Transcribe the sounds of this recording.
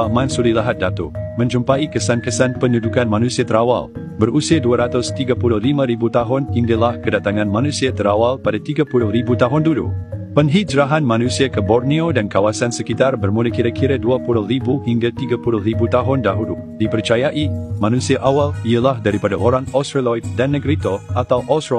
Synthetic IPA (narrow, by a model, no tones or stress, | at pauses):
amãnsulilaɦat̪̚dat̪omə̃ɲd͡ʒumpaikəsankəsanpənudukanmanũsiat̪əɾawa̰l | bəɾusiaduaɾat̪ʊst̪iɡapulʊlimə̃ɾibut̪aɦʊnhiŋdalahkədat̪aŋãnmãnũsiat̪əɾawalpadat̪iɡapulʊhribut̪aɦʊndudṵpəŋɦid͡ʒɾaɦanmãnũsiakəbɔrniodankawasansəkit̪arbərmuləkiɾakʰiɾaduapulʊhɾibuhiŋɡat̪iɡapulʊhɾibut̪aɦʊndaɦulu | dipərt͡ʃajaʔimãnũsiaʔawaliəlahdaɾipadaʔoɾaŋɔstɾalɔt̪̚danːəɡɾit̪oat̪awʔɔst